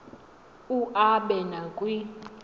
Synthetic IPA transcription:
uʔaɓɛnakʼwi

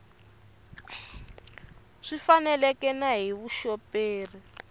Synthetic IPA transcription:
ʂifanɛlɛkɛnaɦiβuʃɔpeːri

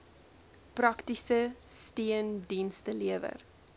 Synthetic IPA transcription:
prɐktisəstiəndinstəliəvə̰r

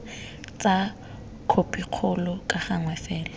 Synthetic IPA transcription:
t͡sʼa | kʰopʼiq͡χʰʊlɔkʼaχaŋwɛfɛːlɔ

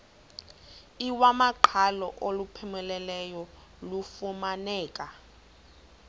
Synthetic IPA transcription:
iwamaǃʰalɔ̰ʔolupʰɛmɛlɛlɛjɔ | lufumanɛːk̬ʼa

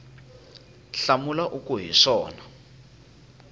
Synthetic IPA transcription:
ɬamulaʔukuɦiʂɔːna

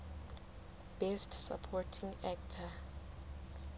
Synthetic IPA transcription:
b̥ɛstsa̰pʰɔtʰĩŋɛk̚tʰa

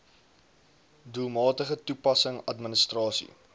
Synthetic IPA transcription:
dulˠmɑːtəχətupɐsəŋɐtmənəstrɑːsḭ

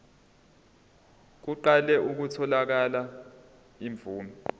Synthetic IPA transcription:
k̬uǃalɛʔuk̬utʰɔlak̬ala | iɱb̪vuːnɔ

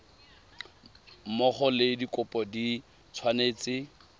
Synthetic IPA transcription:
mɔχɔlɪdikʼʊpʼɔdi | t͡sʰwaneːt͡sɪ

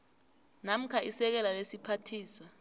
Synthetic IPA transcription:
nam̩kʰaisɛk̬ɛlalesipʰatʰiːswa

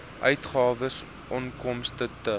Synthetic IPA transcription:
ʔœɥtχɑːvəs | ʔɔnkɔmstətə

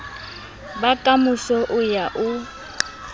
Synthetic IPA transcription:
batʼamʊsɔʔʊjaʔʊ

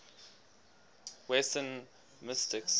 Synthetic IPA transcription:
wɛsə̃n | mɪstɪks

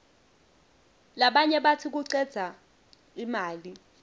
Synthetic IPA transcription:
laɓaɲɛɓatʰik̬uǀɛd̥z̥ʱa | imaːli

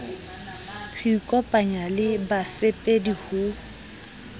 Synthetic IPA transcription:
χikʼɔpʼaɲalɪbafepʼedihuː

